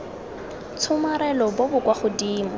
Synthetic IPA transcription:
t͡sʰʊmaɾɛlɔbʊbʊkwaχʊdiːmɔ

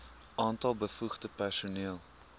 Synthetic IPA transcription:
ʔɑːntɐlˠbəfuχdəpærsuniəlˠ

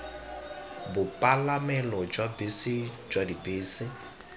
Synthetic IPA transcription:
bʊpʼalamɛlɔd͡ʒwabesɪd͡ʒwadibeːsɪ

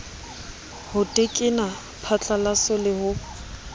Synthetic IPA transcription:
hʊtʼɪkʼɪna | pʰat͡ɬʼalasʊlɪhʊ

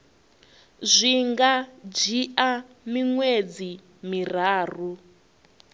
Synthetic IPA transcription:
zʷiŋɡad͡ʒiʔa | miŋwed͡zi | mir̤aːr̤u

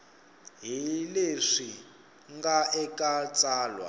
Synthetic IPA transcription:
ɦileʂi | ŋɡaɛkʼat͡sʼaːlwa̰

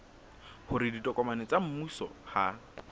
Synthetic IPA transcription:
hʊɾɪditʼɔkʼɔmanɛt͡sam̩musɔ̰ha

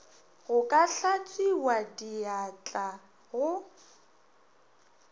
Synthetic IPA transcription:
ɣʊkʼaɬat͡sʼiwadiat͡ɬʼa | ɣʊ

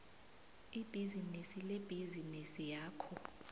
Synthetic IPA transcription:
ib̥ʱizinisileb̥ʱizinisijaːkʰɔ

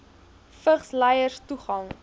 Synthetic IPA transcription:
fəχslɛjərstuχɐŋ

